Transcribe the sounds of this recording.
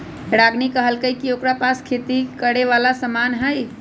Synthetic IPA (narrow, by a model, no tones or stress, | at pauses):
ɽaɡnikəɦəlkəjkiokɾapaskʰet̪ikəɽeʋalasəmanɦəj